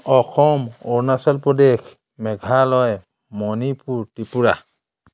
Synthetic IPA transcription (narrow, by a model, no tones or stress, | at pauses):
ɔxɔmɔɹnasɔlpɔdekʰ | mɛɡʱalɔj | mɔnipuɹtipuɹa